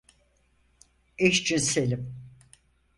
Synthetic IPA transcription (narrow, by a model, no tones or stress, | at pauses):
eʃt͡ʃynselʲim